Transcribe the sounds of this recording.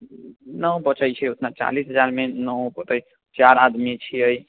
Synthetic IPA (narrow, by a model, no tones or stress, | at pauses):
nəwbət͡ʃəjt͡ʃʰɛut̪ʰnat͡ʃa̰lisɦəd͡ʒaɾmenəbət̪əj | t͡ʃaɾad̪mit͡ʃʰiəj